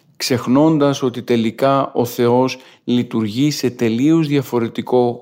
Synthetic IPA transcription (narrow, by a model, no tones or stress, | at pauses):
kse̞xno̞nd̪ɐso̞t̪it̪e̞likɐo̞θe̞o̞s | lit̪uɾʝise̞t̪e̞liozðjɐfo̞ɾe̞t̪iko̞